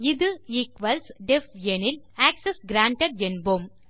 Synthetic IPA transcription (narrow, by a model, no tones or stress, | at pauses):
ɪðɯiːkʋɐlsɖɛfɛnɪl | aːksesɡɾaːɳʈɐɖɛnbom